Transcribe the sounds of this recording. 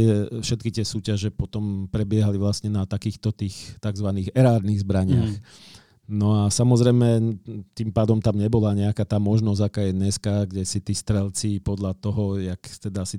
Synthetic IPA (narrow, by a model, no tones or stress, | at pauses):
ɪɛfʃɛt̪kit̪ɪɛsuːcaʒɛpɔt̪ɔmpɾɛbɪɛɦaliʋlast̪ɲɛnat̪akiːxt̪ɔt̪iːxt̪aɡzʋaniːɣɛɾaːɾniɣzbɾaɲɪax | nɔasamɔzɾɛjmɛt̪impaːd̪ɔmt̪amɲɛbɔlaɲɛakaːt̪aːmɔʒnɔzakaːjɛd̪ɲɛskaɡɟɛsit̪iːst̪ɾɛlt͡sipɔd̪ʎat̪ɔɦɔjakt̪ɛd̪aasi